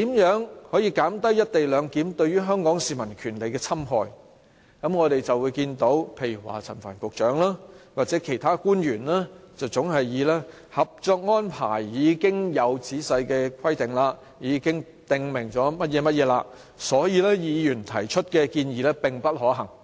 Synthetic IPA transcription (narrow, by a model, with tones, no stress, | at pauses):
t̪iː˨˥mjœː˨˥ŋhɔː˨˥jiː˧kaː˨˥mt̪ɐ˥jːɐ˥t̚t̪e˨jlœː˨˧ŋkiː˨˥mt̪ɵ˧ɥyː˥ɦœː˥ŋkɔː˨˥ŋsiː˨mɐ˨˩nkʰyː˨˩nle˨˧jkɛː˧t͡sʰɐ˥mɦɔː˨˧j | kɐ˨˥mŋɔː˨˧t̪e˨jt͡sɐ˨wːuː˨˧jkiː˧nt̪o˨˥wpʰe˨˧jy˨˩wa̰ː˨˩t͡sʰɐ˨˩nfa̰ː˨˩nkʷʊ˨k̚t͡ʃœː˨˥ŋlaː˥waː˨k̚t͡sɛː˨˥kʰe˨˩jt̪ʰaː˥kuː˥njyː˨˩nlaː˥t͡sɐ˨˩wt͡sʊ˨˥ŋɦɐ˨jːiː˨˧lɛː˥ | hɐ˨p̚t͡ʃɔː˧k̚ŋɔː˥npʰa̰ː˨˩jːiː˨˧kɪ˥ŋjɐ˨˧wt͡siː˨˥sɐ˧jkɛː˧kʷʰwɐ˥jt̪ɪ˨ŋlaː˧ | jiː˨˧kɪ˥ŋ | t̪ɪ˨ŋmɪ˨˩ŋt͡ʃɔː˨˥mɐ˥t̚jɛː˨˧mɐ˥t̚jɛː˨˧laː˧ | sɔː˨˥jiː˧lɛː˥jiː˨˧jyː˨˩nt̪ʰɐ˨˩jt͡ʃʰɵ˥t̚kɛː˧kiː˧njiː˨˧lɛː˥pɪ˨ŋpɐ˥t̚hɔː˨˥ɦɐ˨˩ŋ